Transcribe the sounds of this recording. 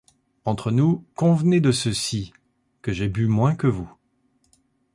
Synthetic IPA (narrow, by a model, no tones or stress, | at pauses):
ɑ̃t̪χənukɔ̃vned̪əsəsi | kəʒebymwɛ̃kəvu